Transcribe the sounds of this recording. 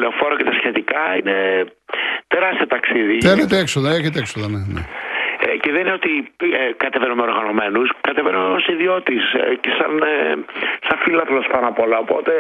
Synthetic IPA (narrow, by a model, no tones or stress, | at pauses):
leofo̞ɾocet̪ɐsçet̪ikɐine | t̪eɾɐst̪iot̪ɐksiðiθenet̪eeksoðɐeçet̪eksoðɐnenḛ | ceðenineot̪ikɐt̪evenumeɾɣɐno̞me̞nuskɐt̪evenomosiðio̞t̪iscesɐn | sɐɱfilɐt̪elospɐnɐpo̞lɐopo̞̰t̪e̞